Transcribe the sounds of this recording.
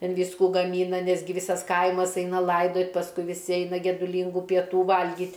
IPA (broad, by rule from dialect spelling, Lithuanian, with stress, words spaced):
ˈtʲɛn ˈʋʲiːskuː ɡɐˈmʲiːnɐ ˈnʲæːzʲɡʲɪ ˈʋʲiːsɐs ˈkɐɪmɐs ˈɛɪnɐ ˈlˠɐɪdoːtʲ pɐsˈkʊɪ ʋʲɪˈsʲɪ ˈɛɪnɐ ɡʲɛdʊˈlʲiːŋɡuː pʲiɛˈtuː ˈʋɐlʲɡʲiːtʲ